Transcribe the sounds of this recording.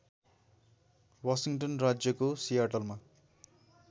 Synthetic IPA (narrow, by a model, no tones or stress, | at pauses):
wasiŋʈʌnrad͡zjʌkosijaʈʌlma